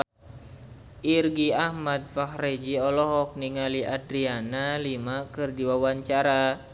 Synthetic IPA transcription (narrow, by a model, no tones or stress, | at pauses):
ʔirɡiahmad̪̚fahred͡ʒiɔlɔɦɔk̚niŋaliʔadɾianalimakɨrdiwawaɲt͡ʃaɾa